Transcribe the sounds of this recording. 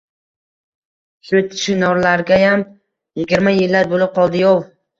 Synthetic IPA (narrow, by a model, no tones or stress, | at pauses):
sot̪ʰʃɪnɒɾlaɾɡʲajam | jɪɡʲɪɾmajɪlːaɾbolɪp̚qʰɒlˠd̪ɪjɒw